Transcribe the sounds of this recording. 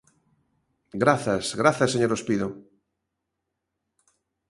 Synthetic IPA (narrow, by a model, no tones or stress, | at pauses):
ɡɾaθasɣɾaθaseɲoɾospiðo